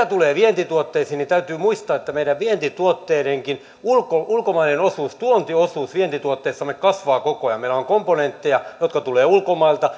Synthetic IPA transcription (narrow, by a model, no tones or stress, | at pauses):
æt̪uleːʋient̪it̪uot̪ːeisiːnit̪æyt̪yːmuist̪ɑːet̪ːæmeiɾæʋʋient̪it̪uot̪ːeːɾeŋkin | ulkoʔulkomɑinenosuːst̪uont̪iosuːsʋient̪it̪uot̪ːeːsːɑmekkɑsʋɑːkokojɑmeilæoŋkomponent̪ːejɑjot̪kɑt̪uleːulkomɑilt̪ɑ